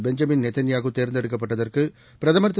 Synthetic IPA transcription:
bɛɲd͡ʒɐmɪnnɛt̪ːɐnɪjaːɣɯt̪eːɾnd̪ɛɽɯkːɐpːɐʈːɐðɐrkɯ | pɪɾɐðɐmɐɾt̪ː

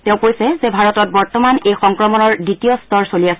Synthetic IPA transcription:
tɛ̃ʊ̃kojsɛzɛbʱaɹɔtɔt̚bɔɹtɔmanejxɔŋkɹɔmɔnɔɹditijɔstɔɹsoliasɛ

